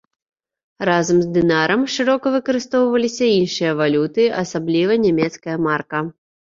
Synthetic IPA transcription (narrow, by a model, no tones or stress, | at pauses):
razɐmzd̪ɨnaɾɐmʂɨɾɔkɐvɨkɐɾɨst̪ɔwvɐlʲisʲɐinʂɨjɐvalʲut̪ɨɐsablʲivɐnʲamʲɛt̪skɐjɐmarkɐ